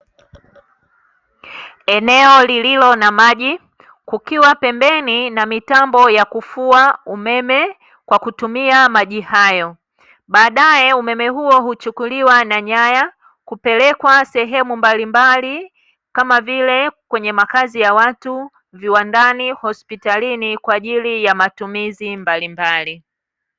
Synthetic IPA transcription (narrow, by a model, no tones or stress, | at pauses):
ɛnɛɔlililɔnamaʄi | kukiwapɛmbɛninamitambɔjakufuaumɛmɛ | kwakutumiamaʄihajɔ | ɓaːɗajɛumɛmɛɦuɔɦut͡ʃukuliwanaɲaja | kupɛlɛkwasɛɦɛmumbalimbali | kamavilɛkwɛɲɛmakazijawatu | viwandanihɔspitalinikwaːʄilijamatumizimbalimbali